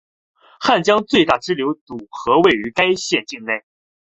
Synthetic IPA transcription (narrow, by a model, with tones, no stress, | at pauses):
xa˥˩nt͡ɕjɑ˥ŋt͡swe˥˧ɪt̪a˥˩ʈ͡ʂɻ̩˥ljo˧˥ʊt͡su˨˩xɤ˧˥we˥˩ɪy˧˥ka˥ɪɕjɛ˥˧nt͡ɕi˥˧ŋne˥˩ɪ